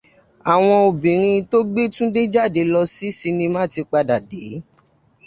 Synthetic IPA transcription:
a˨w̃ɔ̃˧o˨bĩ˨ɾ̃ĩ˧to˦ɡ͡be˦tũ˦de˦d͡ʒa˦˨de˨˧lɔ˧si˦si˧nĩ˧mãː˦ti˧k͡pa˧da˨de˨˦

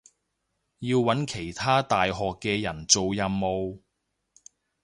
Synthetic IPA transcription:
jiː˧wːɐ˨˥nkʰe˨˩jt̪ʰaː˥t̪aː˨jɦɔː˨kːɛː˧jɐ˨˩nt͡so˨wjɐ˨mːo˨w

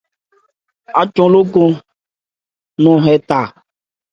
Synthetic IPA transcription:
a˨t͡ʃɔ̃˦lo˦ko˦ | nɔ̃˨ɦɛ˨t̪a˨

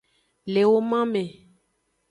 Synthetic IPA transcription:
le˨wo˦mã˦mẽ˨

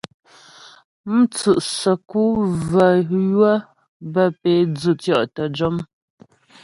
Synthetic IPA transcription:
m̩˦t͡sʉ˨ʔsə˨ku˦və˨jwə˦ | bə˦˨pe˨˦d͡zʉ˦˨t͡sjɔ˦˨ʔtə˨d͡ʒɔ˦m

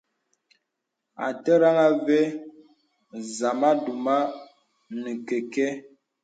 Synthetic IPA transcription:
a̰˨tə˦ɾa˦ŋa˦ve˦ | za˨ma˦du˨ma˦ | nə˨ke˨ke˦

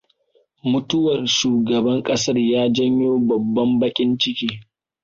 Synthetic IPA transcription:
mʊ˦tʊ˦wɐ˨rʃuː˨ɡɐ˨bɐ˦ŋkʼɐ˦sɐ˦rjaː˦d͡ʒɐ˦ɲjoː˦bɐ˨bːɐ˦mbɐ˦kʲʼɪ˦nt͡ʃɪ˦kʲiː˦

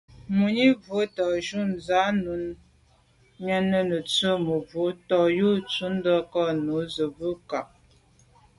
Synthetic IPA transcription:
mu˨ɲi˦və˨˦tɔ˨ʒu˦nza˨˦nu˨˦n | ɲə˦nə˦nə˨t͡sə˦mə˨vo˨˦tɔ˨ju˦t͡su˦n˦də˦kɔ˦nu˨˦zə˨bə˦ka˨p̚

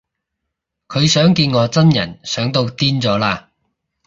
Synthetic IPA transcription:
kʰɵ˨˧ɥsœː˨˥ŋkiː˧nŋɔː˨˧t͡sɐ˥njɐ̰˨˩nsœː˨˥ŋt̪o˧wt̪iː˥nt͡sɔː˨˥laː˧

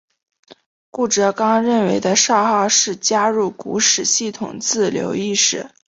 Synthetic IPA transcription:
ku˥˩ʈ͡ʂɤ˧˥kɑ˥ŋɻə˥˩nwe˧˥ɪd̪ə˧ʂɑ˥˧ʊxɑ˥˧ʊʂɻ̩˥˩t͡ɕja˥ɻu˥˩kṵ˧˥ʂɻ̩˨˩ɕi˥˩t̪ʰʊ˨˩ŋt͡sɹ̩˥˩ljo̰˧˥ʊi˥˧ʂɻ̩˥˩˦

